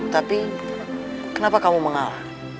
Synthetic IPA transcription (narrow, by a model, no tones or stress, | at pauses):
t̪api | kənapakamuməŋala